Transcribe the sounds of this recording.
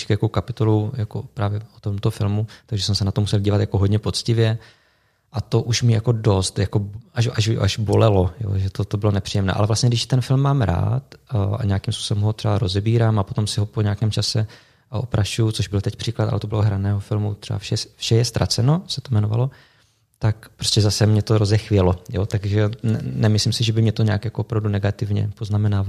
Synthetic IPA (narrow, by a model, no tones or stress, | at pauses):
ʃkjakowkapɪt̪olowjako̰pɾaːvjɛot̪omt̪ofɪ̰lmut̪aɡʒɛsɛmsɛnat̪omusɛlɟiːvat̪jakoɦodɲɛpo̞t͡scɪvjɛ | ʔat̪o̞ʔuʃmɪjakodost̪jako̞aʃʔaʒʔa̰ʒbolɛlo̞jo̰ːʒɛt̪ot̪obɪlonɛpr̥ijɛmnɛ̰ːʔa̰lɛvlastɲɛɡdɪʃt̪ɛnfɪlmːaːmɾa̰ːt̪ʔa̰ɲeakimspu̥ːsɛbɛmɦot̪r̥ɛbaɾo̞zɛbiːɾaːmapo̞t̪o̞msɪɦo̞poɲaːkɛːmt͡ʃasɛ | ʔaʔopɾaʃujut͡soʒbɪlt̪ɛcpr̥iːklat̪ʔa̰lɛt̪o̞bɪloɦɾanɛːɦofɪlmṵt̪r̥ɛba̰fʃɛfʃɛjɛst̪ɾʔat͡sɛno̞sɛt̪omɛnova̰lo | t̪akpɾoscɛzasɛmɲɛt̪oɾozɛxvɪjɛlojo̰t̪aɡʒɛnɛnɛmɪslimsɪʒɛbɪmɲɛt̪oɲaːkjakoopɾavdunɛɡat̪ɪvɲɛ̰poznamɛnaːva